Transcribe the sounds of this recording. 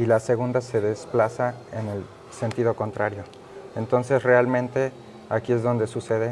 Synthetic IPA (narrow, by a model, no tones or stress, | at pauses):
ilase̞ɣ̞und̪ase̞ðe̞splasaene̞l | se̞nt̪iðo̞ko̞nt̪ɾaɾjo̞ | ent̪o̞nse̞sre̞almẽ̞nt̪e̞ | akie̞zðo̞nd̪e̞suse̞ðe